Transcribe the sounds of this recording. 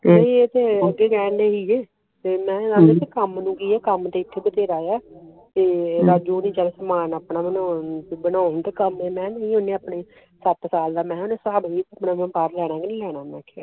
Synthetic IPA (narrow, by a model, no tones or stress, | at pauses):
t̪eːəɡeːɡɛːndeːɦiːeː | t̪eːmɛ̃ːãːmet̪eːkəmnũːɡiːɛːkəmt̪eːɪt̪ʰːeːbət̪eːɾaːjaː | t̪eːɾaːd͡ʒuːnĩːt͡ʃɛːlesəmaːnaːpnaːbənanːbənãːnt̪eːkəmeːmɛ̃ːnəĩːɦʊnẽːaːpneː | sət̪saːld̪aːmɛ̃ːɦonẽːsaːbiːt̪ːaːpnãːmə̃baːɾlɛːɽ̃ãːɡɪnːlɛːɽaːmɛ̃ːkʰea̰ː